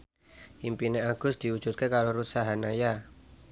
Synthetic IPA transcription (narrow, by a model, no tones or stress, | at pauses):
ʔimpineaɡ̥ʊ̤sd̪̥iud̥ʒ̥ut̪̚kekaɾoɾut̪saɦanaja